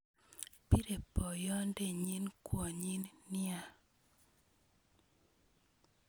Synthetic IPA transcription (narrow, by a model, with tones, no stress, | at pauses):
pi˦ɾe˨pːɔ˨jɔ˦nde˨ɲi˦nkwo˨ɲi˦nnɪ˦a˦˨